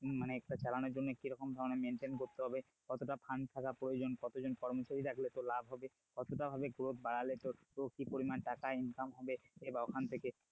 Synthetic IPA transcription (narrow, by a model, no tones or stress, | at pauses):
maneɛk̚ʈat͡ɕalanɔɾd͡ʒonːekiɾɔkɔmd̪ʱabɔnameɳʈenkoɾt̪eɦɔbe | kɔt̪oʈapʰant̪ʰakapɾojod͡ʒonkɔt̪od͡ʒonkɔɾmosaɾiɾakʰilet̪olabʱɦɔbe | kɔt̪oʈabʱabeɡɾot̪̚ʰbaɽalet̪o | okipoɾimanʈakainkamɦɔbeebaokʰant̪ʰeke